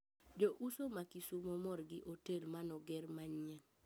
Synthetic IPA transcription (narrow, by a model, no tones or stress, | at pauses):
d͡ʒoʔusomakisumɔmɔrɡɪʔotelmanɔɡɛɾmaɲɛn